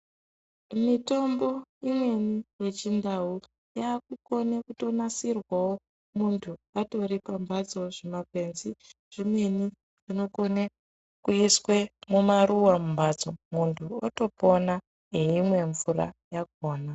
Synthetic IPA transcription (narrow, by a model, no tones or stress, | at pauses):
mito̞mbo̞imwe̞nijet͡ʃindau | jaːk̚uko̞nekuto̞nasirwawo | muntʰuato̞ɾipambad͡zo̞ʐemakwe̞nzi | ʐ̥imwe̞ni | ʐ̥ino̞kone | kuiswe̞mumaɾuwamumbad͡zomuntʰuo̰to̞po̞na | ɦeimwe̞ɱvuɾa̰jak̚o̞ːna